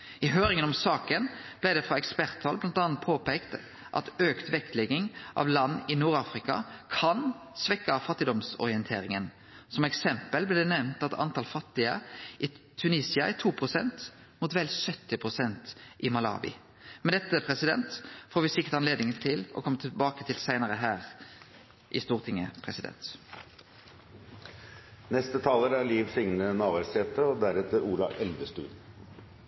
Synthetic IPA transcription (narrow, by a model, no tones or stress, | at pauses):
ɪɦøːɾɪŋənɔmsɑːkənblæɪd̪ɛfʁɑɛkspæɾt̪ʰːɑlblɑnt̪ɑnɑn̚pʰoːpeːkt̪ | ʔɑ̰t̪øːkt̪ʋɛkt̪lɛɡɪŋʔɑ̰ʋlɑnːɪnuːɾɑːfɾɪkɑ̰kʰɑn | sʋɛkːəfɑt̪ːɪd̪ɔmsɔ̰ɾɪənt̪ʰḛːɾɪŋən | sɔmɛksɛmpəlblɛd̪ɛnɛʋnt̪ɑt̪ʰɑ̰nt̪ɑːlfɑt̪ːɪəʔɪt̪ʰʉniːsɪɑɛt̪ʰuːpʰʁʊsɛ̰nt̪ | mʊt̪ʋɛlsœt̪ːɪpʰʁʊsɛnt̪ʔɪmɑlɑ̰ːʋɪ̰ | mɛd̪ɛt̪ːəpʰʁɛsɪd̪ɛ̰nt̪foːɾʋɪsɪkːə̥t̪ɑnleːd̪nɪŋənt̪ʰɪlɔ̰kʰɔmət̪ʰɪlbɑːkət̪ʰɪlsæɪnəʁəɦæːʁ | ʔɪst̪uːʁt̪ʰɪŋə̰pʰɾɛsɪd̪ɛ̰nt̪ | nɛst̪ət̪ʰɑːləɾæɾliːʋsɪŋnənɑːʋæɾsɛːt̪əɾɔd̪æɾɛt̪əɾuːlɑ̰ʔɛld̪əst̪ʉ̰ːl